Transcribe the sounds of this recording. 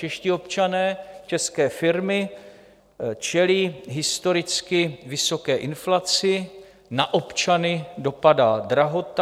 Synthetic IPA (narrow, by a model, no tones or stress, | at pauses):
t͡ʃɛʃcɪo̞pt͡ʃanɛːt͡ʃɛskɛːfɪɾmɪ | t͡ʃɛliːɦɪst̪o̞ɾɪt͡skɪvɪso̞kɛːʔɪnflat͡sɪ | naʔo̞pt͡ʃanɪdo̞padaːd̪ɾaɦo̞t̪